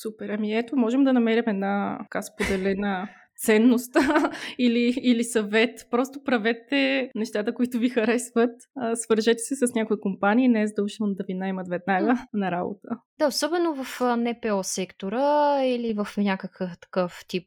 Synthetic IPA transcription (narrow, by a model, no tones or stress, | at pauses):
supɛɾɐmiɛt̪omɔʒɛmd̪ɐnɐmɛɾɛmɛd̪nḁkaspod̪ɛlɛnə | t̪sɛnːost̪iliːlisɐvɛt̪pɾɔst̪opɾɐvɛt̪ːɛnɛʃt̪at̪əkoit̪ʊvixɐɾɛsvət̪ːsvəɾʒɛt̪ɛ̥sɛsɐsnʲakoikompaniːnɛzd̪əuʃəmd̪ɐvinaɛmət̪vɛd̪naɡənɐɾabo̰t̪əd̪̥aosɔbɛnovɐfnɛpɛɔsɛkt̪oɾəilivəfnʲakəkəft̪ɐ̥kɤft̪ip̚